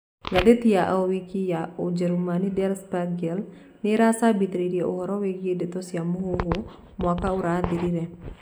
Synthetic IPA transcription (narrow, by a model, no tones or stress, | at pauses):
ɡadɛt̪ijaʔowikijaʔud͡ʒəɾumanidɛrspaɡɛl | niɾasabit̪ɾidiʔuɦɔɾɔwekiɛdɛt̪ɔsiamuɦuɦu | mɔakauɾad̪idiɾɛ